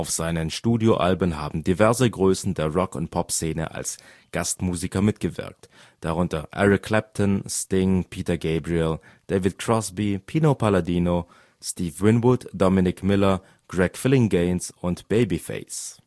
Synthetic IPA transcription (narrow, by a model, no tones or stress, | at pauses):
ʔaʊfz̥aɪnənʃtuːdjoʔa̰lbəmɦa̰ːbm̩divɛɐzəɡʁøːsn̩deːɐʁɔkʊ̰nt̚pʰɔpseːnə̰ʔa̰ls | ɡ̥astmuːzikɐmɪtɡ̥əvɪ̰ɐk̚t | d̥aʁʊntɐʔɛ̰ʁɪkʰl̥ɛp̚tʰɔnstɪŋpʰiːtɐɡeɪbʁiɛl | d̥eːvɪt̚kʁ̥ɔsbipʰiːnopʰaladiːno | stiːfvɪnvʊtd̥ɔmɪnɪkmɪlɐ | ɡ̥ʁɛkfɪlɪŋɡeɪnsʊntb̥eɪbifḛɪs